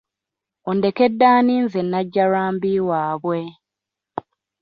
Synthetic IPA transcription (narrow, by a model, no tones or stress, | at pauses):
onde̞ke̞dːaːniːnzenːaɟːaɾaːmbiwaːβwe̞